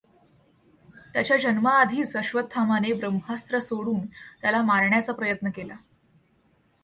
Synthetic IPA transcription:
t̪jat͡ɕjad͡ʑənməːd̪ʱiːt͡səɕʋət̪ʰːamanebɾəmɦast̪ɾəsoɽuːnt̪jalamaɾɳjat͡sapɾəjət̪nəkela

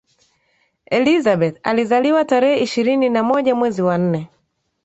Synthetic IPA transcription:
ɛlizabɛta̰lizaliwataɾɛɛiʃiɾininamɔʄamwɛziwan̩nɛ

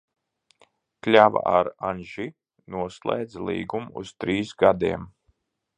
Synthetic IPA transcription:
klʲava̰ʔaɾanʒi | nuɔslˠɛ̰ːd̪zlˠḭːɡumṵz̥t̪ɾiːsɡad̪iɛm

